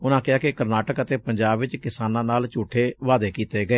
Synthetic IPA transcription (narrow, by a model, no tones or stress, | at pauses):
ʊnãːkɪaːkɪkəɾnaːʈəkət̪eːpəɲd͡ʒaːbʋɪt͡ʃkɪsaːnãːnaːlt͡ʃuːʈʰːeːʋaːd̪eːkiːt̪eːɡəeː